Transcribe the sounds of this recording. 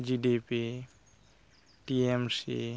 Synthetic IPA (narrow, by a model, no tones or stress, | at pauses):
d͡ʒiɖipi | ʈiemsḭ